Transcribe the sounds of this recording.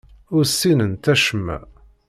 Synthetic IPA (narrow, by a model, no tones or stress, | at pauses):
ʊɾsːinənt̪æʃəmːæ̰